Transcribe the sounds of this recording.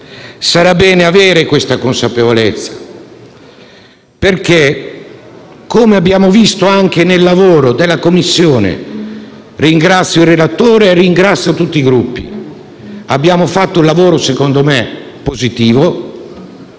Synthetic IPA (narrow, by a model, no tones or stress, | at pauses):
saɾabːɛːneaveːɾekwest̪akonsapevolet̪sːḁ | perke | komeabːjaːmovist̪oaŋk̟enelːavoːɾod̪elːakomːisːjoːnḛ | riŋɡɾat̪sːjoilrːelat̪ːoːɾeːriŋɡɾat̪sːjot̪ut̪ːiːɡɾupːḭ | abːjaːmofat̪ːoulavoːɾosekond̪ome | pozit̪iːvo